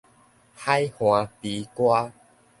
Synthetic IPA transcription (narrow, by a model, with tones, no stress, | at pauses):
ha˦jhw̃ã˨˩pi˨˦kwa˦